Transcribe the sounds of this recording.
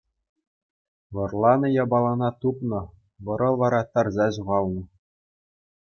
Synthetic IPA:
ʋɤ̆rlˠɑnɤ̆jɑbɑlˠɑnɑt̪upnɤ̆ | ʋɤ̆ɾɤ̆ʋɑɾɑt̪ɑrzɑʑuʁɑlˠnɤ̆

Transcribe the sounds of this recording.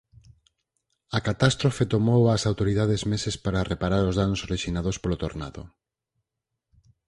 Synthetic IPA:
ɐkat̪ast̪ɾofet̪omowasawt̪oɾiðaðezmesespaɾarepaɾaɾozðanosoreʃinaðospolot̪o̰ɾna̰ðo̰

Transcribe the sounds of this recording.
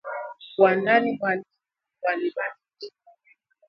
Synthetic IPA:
wananiwal | waliɓanii̥

